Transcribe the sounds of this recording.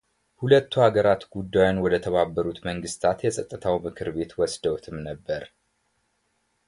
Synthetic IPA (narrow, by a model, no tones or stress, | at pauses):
hulət̪ːuhaɡəɾat̪ɡud̪ːajʊnwɔd̪ət̪ʰəβabːəɾut̪məŋɡɨst̪ʰat̪jɛsʼət̪ʼːɨt̪ʰawmɨkʰɨɾbe̞t̪wɔsd̪əwt̪ʰɨmnəbːəɾ